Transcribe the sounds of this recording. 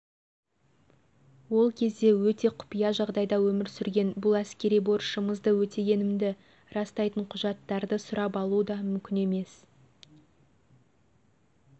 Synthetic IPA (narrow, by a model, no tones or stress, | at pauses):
wo̞lˠkʲʰe̞zd̪e̞wɵt̪e̞qʰʊ̥pijɑʒɑʁd̪ɑjd̪ɑwɵmɪɾsʏɾɡʲe̞nbʊlˠæskʲe̞ɾijbo̞ɾʃəməzd̪əwɵt̪e̞jʲe̞nɪmd̪ɪ | ɾɑst̪ɑjt̪əɴqʰʊʒɑt̪ːɑɾd̪əsʊɾɑpɑlˠud̪ɑmʏmkʲɪne̞me̞s